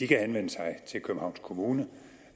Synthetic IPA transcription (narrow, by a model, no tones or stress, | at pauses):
d̥ikʰæhenʋen̰əsɑ̈ɪt͡sʰe̝lkʰøb̥n̩hɑ̈ʊnskʰo̝muːnə